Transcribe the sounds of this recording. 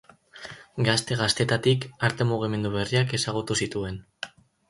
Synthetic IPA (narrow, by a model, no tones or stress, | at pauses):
ɡast̪e̞ɣast̪e̞t̪at̪ikaɾt̪e̞muɣ̞ime̞nd̪uβe̞riake̞saɣ̞ut̪usit̪ue̞n